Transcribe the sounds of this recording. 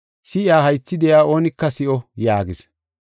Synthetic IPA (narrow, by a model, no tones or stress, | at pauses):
sɪjaːɦɐjt͡sːɪd̪ɛjaːʔo̞ːnɪkːɐsɪʔɔjaːɡɪs